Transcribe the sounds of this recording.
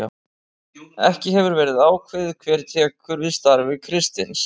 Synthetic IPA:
ɛ̰hcɪɦɛvʏɾvɛːɾɪðaːwkʰvɪðɪkʰvɛːɾt̪ʰɛːkʏɾvɪðst̪aɾvɪkʰɾɪst̪ɪns

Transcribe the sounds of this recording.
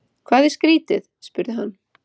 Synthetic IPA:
kʰvaːðɪ̥skɾiːt̪ɪðspʏɾðɪɦanː

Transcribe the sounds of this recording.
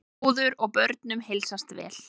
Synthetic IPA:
ðʏɾɔɣpœɾt̪nʏmhejlsast̪vɛ̰ːl

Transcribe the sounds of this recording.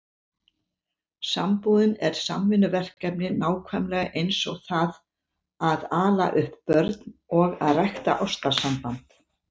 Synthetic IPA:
sampuːðʏnɛɾ̥sa̰mːɪnʏvɛr̥kːɛpnɪnaːwkʰvɛmlɛɣaʔejnsɔɣθað | aðaːla̰ʔʏhppœɾt̪nɔɣa̰ðrajxt̪a̰ʔɔst̪asampant̪

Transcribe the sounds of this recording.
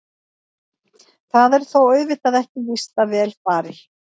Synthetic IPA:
θaðɛɾ̥θowœɥvɪt̪aðɛhcɪvist̪avɛːlfaːɾɪ̥

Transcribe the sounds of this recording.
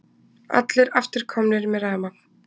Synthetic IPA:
a̰t̪lɪɾaft̪ɪɾ̥kʰɔmnɪɾmɛɾaːmḁ

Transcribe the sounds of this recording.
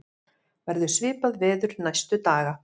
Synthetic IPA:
vɛɾðʏsvɪːpaðvɛːðʏɾnajst̪ʏt̪aːɣa

